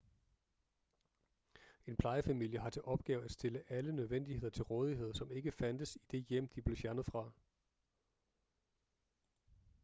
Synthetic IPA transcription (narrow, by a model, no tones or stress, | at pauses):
e̝npʰlɑ̈ɪəfæmil̰jəɦɑ̈t͡sʰe̝ʔɒ̽b̥̚ɡ̥ɛ̰ːʊæd̥sd̥e̝ləʔælənøð̞ˠʋen̰d̥iɦe̝ð̰ˠɐt͡sʰe̝lʁɔːð̞ˠiɦe̝ð̞̰ˠsɒ̽me̝ɡ̥əfænd̥əsid̥e̝jem̰d̥ib̥le̝fjæɐnəð̩ˠfʁɑ̈